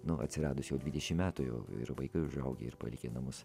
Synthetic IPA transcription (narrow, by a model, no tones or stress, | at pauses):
nʊʔɐ̰t̪ʲsʲɪɾɑːd̪ʊsjɛʊd̪ʲʋʲid̪ʲɛʃʲɪmmʲæːt̪ʊjɛ̰ʊɪ̰ɾʋɐɪkɐɪʊʒɐʊɡʲḛɪ̰ɾpɐ̰lʲɪkʲenɐmʊs